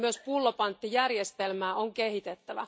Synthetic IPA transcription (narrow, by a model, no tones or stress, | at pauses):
myøspulːopɑnt̪ːijærjest̪elmæːoŋkehit̪et̪ːæʋæ̰